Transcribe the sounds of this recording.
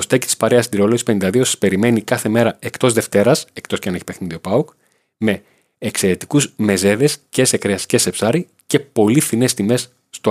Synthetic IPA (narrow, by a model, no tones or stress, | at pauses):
ost̪ecit̪i̥spɐɾe̞ɐsind̪iɾo̞loʝispe̞nind̪ɐðiosɐ̥spe̞ɾime̞nikɐθe̞me̞ɾɐekt̪o̞zðeft̪e̞ɾɐsekt̪o̞sceɐneçipe̞xniðiopɐuk | me̞ː | kse̞ɾe̞t̪ikuzme̞ze̞ðe̞sce̞sekɾeɐscesepsɐɾi | ce̞po̞lifθine̞st̪ime̞sː | t̪o